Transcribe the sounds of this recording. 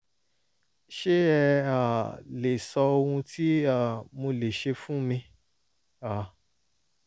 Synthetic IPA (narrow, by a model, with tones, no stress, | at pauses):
ʃe˦ɛ˧a˨le˨sɔ˧o˧hũ˧tʰi˦a˦˨mo˧le˨ʃe˧fũ˦mĩ˧ | a˨